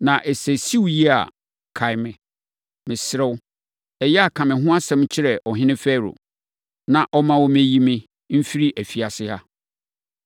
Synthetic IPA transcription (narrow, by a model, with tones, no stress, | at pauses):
nã˨ʔɛ˨sɛ˨si˦wji˦a̰˨ | kʰa˨ɪ˨mɪ̃˨ | mɪ̃˨sɪ˨ɾɛ˦w | ɛ˨jɛ˦a˨kʰã˨mɪ̃˨ɦʊ̃˦a˦sɛ̃˦m˦t͡ɕʰɪ˦ɾɛ˨ʔɔ˨ɦɪ̃˦nɪ̃˦fɛː˦ɾo̰˨ | nã˨ʔɔ˦mã˦wɔ˦mẽ˦ji˦mɪ̃˦ | m̩˦fi˦ɾi˦ʔæ˨fi˨a˨sɪ˦ha˦